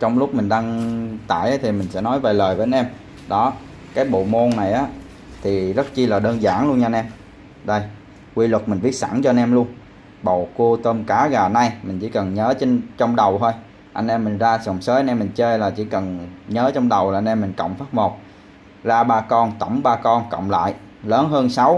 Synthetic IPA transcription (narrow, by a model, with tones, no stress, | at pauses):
t͡ɕɔ˧wŋ͡mlʊ˦˥k͡p̚mi˨˩ŋ̟ɗa˧ŋt̪a̰ː˧˨jʔə˨˦jt̪ʰi˨˩mï˨˩ŋ̟sɛ̰˧˥nɔ˨˦jve˨˩ləː˨˩jvəː˨˦˧nʔɛ˧m | ɗɔ˨˦ | kaː˨˦jɓo̰˧˨mo˧nːna˨˩jʔaː˨˦ | t̪ʰi˨˩zə˦˥t̚t͡ɕi˧laː˨˩ɗəː˧nzaː˧˩nlu˧ənɲa˧nʔɛ˧m | ɗə˧j | kwi˧lə˨˩t̚mï˨˩ŋ̟ɓi˦˥ət̚sa̰˧˩nt͡ɕɔ˧nʔɛ˧mlu˧ən | ɓo̰˧˨ku˧t̪əː˧mkaː˨˦ɣaː˨˩na˧jmï˨˩ŋ̟t͡ɕḭ˧˥kə˨˩nɲəː˨˦t͡ɕe˧nt͡ɕɔ˧wŋ͡mɗə˨˩wt̪ʰo˧j | ʔa˧nʔɛ˧mːi˨˩ŋ̟zaː˧sə˨˩wŋ͡msəː˨˦ʔa˧nʔɛ˧mːï˨˩ŋt͡ɕəː˧jlaː˨˩t͡ɕḭ˧˥kə˨˩nɲəː˨˦t͡ɕɔ˧wŋ͡mɗə˨˩wlaː˨˩ʔa˧nʔɛ˧mːï˨˩ŋ̟kə̰˧˨wŋ͡mfaː˦˥t̚mo˨˩t̚ | zaː˧ɓaː˧kɔ˧nt̪ə˧˩wŋ͡mɓaː˧kɔ˧nkə̰˧˨wŋ͡mla̰ː˧˨j | ləː˨˦nɦəː˧nsa˨˦w